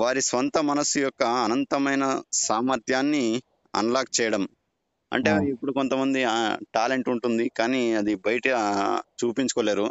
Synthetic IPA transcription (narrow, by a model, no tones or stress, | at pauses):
ʋaːɾisʋɐnt̪ɐmɐnɐsujɔkːɐːnɐnt̪ɐmɐjnɐsaːmɐɾt̪ʰjaːnːi | ɐ̰nɐlaːk̚t͡ʃɛːjɐɽɐm | ɐ̰ɳʈe̞ːipːuɽuko̞nt̪ɐmɐnd̪iʈaːle̞ɳʈuɳʈund̪ikaːniɐd̪ibɐjʈɐt͡ʃuːpiɲt͡ʃukɔːleːɾu